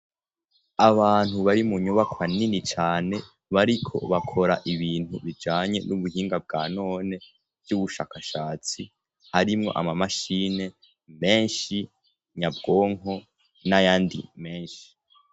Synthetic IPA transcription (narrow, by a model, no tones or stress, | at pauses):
aβaːn̥huβaɾimuɲuβakwaninit͡ʃaːne̞ | βaɾikʰo̞̰βakʰo̞ɾaʔiβiːn̥huβid͡ʒaːɲe̞̰nuβuhiːŋɡab̚ɡaːno̞ːne̞ | vɟuβuʃa̰ːkaʃaːt͡si | haɾimŋo̞̰ʔa̰mamaʃiːne̞ | me̞ːnʃi | ɲabɡo̞ːŋo̞ | najaːndḭme̞ːnʃi̥